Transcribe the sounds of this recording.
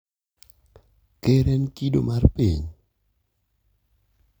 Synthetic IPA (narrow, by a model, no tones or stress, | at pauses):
keɾɛnkido̰marpḭɲ